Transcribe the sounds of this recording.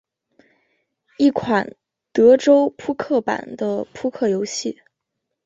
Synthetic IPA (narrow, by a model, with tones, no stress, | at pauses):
i˥˩kʰwa˨˩n | t̪ɤ˧˥ʈ͡ʂo˥ʊpʰu˥kʰɤ˥˩pa̰˨˩nd̪ə˦pʰu˥kʰɤ˥˩jo˧˥ʊɕi˥˩